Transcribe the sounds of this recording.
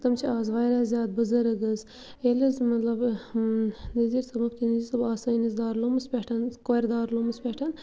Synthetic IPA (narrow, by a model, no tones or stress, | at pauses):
t̪ɐmt͡ʃʰiaːzʋaːjɾazʲjaːd̪̚bɐzɐɾɐɡɐz | elɐzmɐt̪lɐb | niziɾsɐmɐkt̪inizisɐbaːsɐinizd̪aːɾlomɨspʲeʈʰɐnkoɾd̪aːɾlomɨspʲeʈʰɐn